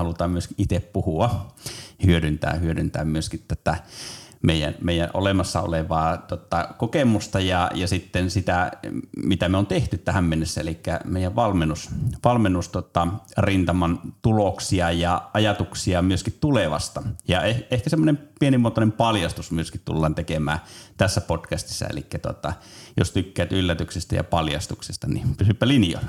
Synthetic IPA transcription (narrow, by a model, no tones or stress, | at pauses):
hɑlut̪ɑːmmyøskiʔit̪eppuhuɑ | hyøɾynt̪æ̰ːhyøɾynt̪æ̰ːmmyøskit̪t̪æt̪ːæmeijæ̰nmeijæ̰ʔʔo̰lemɑsːɑ̰o̰leʋɑːt̪uot̪ːˑɑkokemust̪ɑjɑjɑsit̪ːensit̪æmit̪æmeont̪eht̪yt̪t̪æhæmmenːesːæḛlikːæ̰meˑijæʋʋɑlmenːusʋɑlmenːust̪uot̪ːɑrint̪ɑmɑnt̪uloksiɑjɑʔɑjɑt̪uksiɑmyøskit̪t̪uleʋɑ̰st̪ɑjɑeehkæsemːonempienimːoːt̪onempɑljɑst̪usmyøskit̪t̪ṵlːɑːnt̪ekemæ̰ːt̪æsːæpotkæst̪i̥sːɑ̰ḛlḭkːæt̪uo̰t̪ːˑɑjo̰st̪ykːæːt̪ylːæt̪yksist̪æ̰jɑ̰pɑljɑ̰st̪uksist̪ɑnḭpysypːælinjo̰